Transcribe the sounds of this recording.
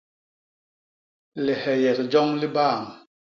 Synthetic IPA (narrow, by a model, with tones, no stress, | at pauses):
li˨hɛ˨jɛ˨kd͡ʒɔ˦ŋli˦baː˦˨ŋ